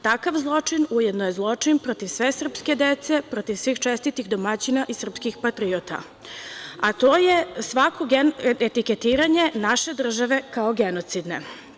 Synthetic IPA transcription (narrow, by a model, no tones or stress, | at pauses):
t̪akaʋzlˠo̞t͡ʂinujed̪nojezlˠo̞t͡ʂinpɾot̪iʋsʋe̞sr̩pske̞d̪et̪se̞pɾot̪iʋsʋiːxt͡ʃest̪it̪iɣd̪omat͡ɕinaʔisr̩pskixpat̪ɾiot̪a̰ | at̪o̞ːjesʋakʰo̞ɡeet̪iket̪iːɾaɲe̞naʃe̞d̪r̩ʒaʋe̞kaoɡenot̪sid̪ne